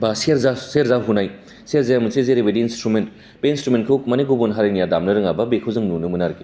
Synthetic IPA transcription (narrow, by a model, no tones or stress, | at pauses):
basiɾzaseeɾzaɦunaj | seɾzejamusezeɾebediːnstɾument | beinstɾumenkʰɯk̚maniɡubunɦaɾajnijadamnɐɾɯŋabɐbekʰɯwzɯŋnunumɯnaɾɡi